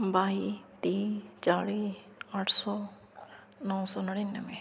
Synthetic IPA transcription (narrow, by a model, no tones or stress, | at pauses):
baːit̪iːt͡ʃaːɽi | aːʈʰsɔː | nɔːsɔːnəɽenːəmẽ